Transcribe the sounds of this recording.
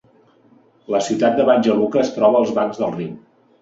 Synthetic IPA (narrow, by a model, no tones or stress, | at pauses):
ləsiwt̪at̪̚d̪əβanʲʒəlukəːst̪ɾɔβəːlˠzβaŋzðəlˠrim